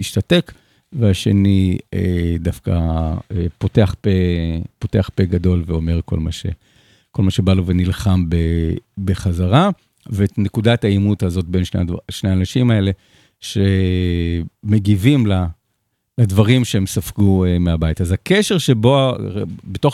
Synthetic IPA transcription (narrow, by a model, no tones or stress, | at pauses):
iʃtatek | veaʃe̞̰niḛdafka̰ | po̞te̞aχpepo̞te̞aχpeɡado̞lveome̞ʁko̞̰lma̰ʃḛ | ko̞lmaʃe̞balovenilχambebeχazaʁa | veːtnekudataimutazo̞t̚be̞nʃneadʃneaːnaʃimae̞le̞ | ʃe̞ | me̞ɡivimla | ladvaʁimʃeemsafɡuemeabaitazakeʃe̞ʁʃebo | beto̞χ